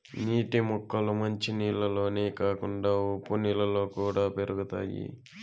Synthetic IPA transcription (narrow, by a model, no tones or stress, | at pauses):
niːʈimɔkːɐlumɐɲt͡ʃiniːlɐlo̞ːneːkaːkuɳɖaːopːunilɐlo̞ːkuːɽaːpe̞ɾuɡut̪a̰ːjḭ